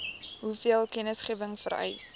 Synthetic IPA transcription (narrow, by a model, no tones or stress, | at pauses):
ɦufiəlˠkɛnəsχiəvəŋfəɾɛ̰js